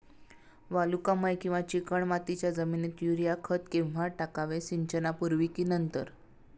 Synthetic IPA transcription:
ʋalukaməjkĩw̃ʋat͡ɕikəɳmat̪it͡ɕjad͡zəmiːnet̪juɾijakʰət̪kĩwʋaʈakaʋesiɲt͡ɕənapuɾʋikiːnənt̪əɾ

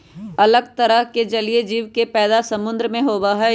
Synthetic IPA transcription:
ɐləɡ̚t̪ɐɾəɦked͡ʒɐlied͡ʒiːʋkepɛːd̪asɐmʊ̃nd̪ɾəmẽɦoːbaɦɛ

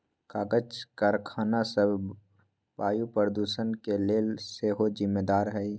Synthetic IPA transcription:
kaːɡət͡ʃkəɾkʰaːnasəb | baːjupəɾd̪uːsənkeleːlseɦozɪmːeːd̪aːɾɦɛi

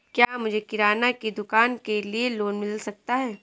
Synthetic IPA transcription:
kjaːmʊd͡ʒʱekɪɾaːnakid̪ʊkaːnkelieloːnmɪllsɐk̚t̪aɦɛː

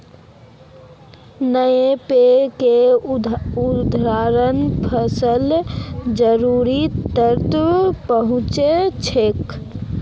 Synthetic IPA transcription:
nəjepeke | ud̪ʱɾaɾənpʰəsəld͡ʒəɾuɾit̪əɾt̪pəɦũt͡ʃet͡ʃʰek

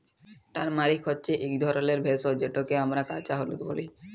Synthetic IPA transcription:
ʈaɾmaɾikʰɦɔtːɕʰeʔikd̪ʱɔɾoleɾbʱesɔd͡ʑeʈokeamɾakat͡ɕaɦolut̪boli

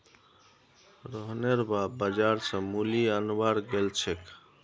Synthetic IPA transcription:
ɾəɦneɾbabəd͡ʒaɾsə̃muliənbaɾɡelt͡ʃʰek

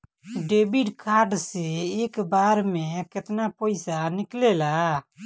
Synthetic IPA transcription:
ɖeːbiɖkʰaɾɖseekbaɾmeket̪napəɪsanɪklela

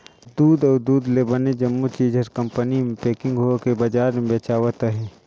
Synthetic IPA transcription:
d̪uːd̪ɔːɾd̪uːd̪lebəned͡ʒɐmːut͡ʃiːd͡ʒʱəɾkɐ̃mpənimẽpeːkɪ̃ŋɡɦokebɐd͡ʒaːɾmẽbeːt͡ʃaːʋət̪əɦiː

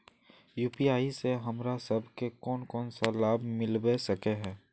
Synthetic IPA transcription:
juːpiaːiseɦɐmɾasɐbʱkekɔːnkɔːnsalaːbmɪlwesɐkeɦɛ̃ː

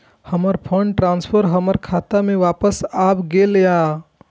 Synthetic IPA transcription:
həməɾpʰəɳɖʈɾãːnspʰəɾɦəməɾkʰat̪amẽʋaːpəsabɡelja

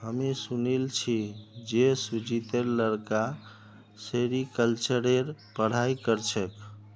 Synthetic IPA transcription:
ɦəmisunilt͡ʃʰid͡ʒesud͡ʒit̪eɾləɾka | seɾikəlt͡ʃəɾeɾpəɽ̤ajkəɾt͡ʃʰək

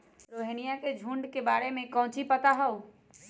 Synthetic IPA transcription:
ɾoːɦenijaked͡ʒʱũːɳɖkebaːɾemẽkɐ̃ɦʊ̃t͡ʃipɐt̪aɦɐo

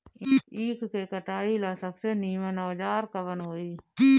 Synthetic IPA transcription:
iːkʰkekəʈaːilaːsəkseniːmənɔːd͡ʒaːɾkəbənɦoːiː

